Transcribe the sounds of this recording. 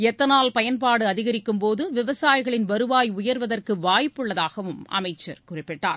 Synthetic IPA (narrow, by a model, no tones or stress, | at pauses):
ɛt̪ːɐnaːlpɐjɐnpaːɽɯɐðɪɣɐɾɪkːɯmpoːðɯʋɪʋɐsaːjɪɣɐɭɪnʋɐɾɯʋaːjʊjɐɾʋɐðɐrkɯʋaːjɪpːɯɭːɐðaːɣɐʋɯmɐ̰mɐɪt͡ʃːɐ̰ɾkʊrɪpːɪʈːa̰ːɾ